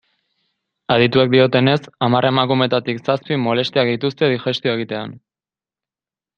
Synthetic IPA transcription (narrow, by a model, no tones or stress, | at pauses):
aðit̪uek̚d̪io̞t̪e̞ne̞samarʔe̞makume̞t̪at̪iksaspimo̞le̞st̪iak̚d̪it̪ust̪e̞ðixe̞st̪io̞e̞ɣit̪e̞an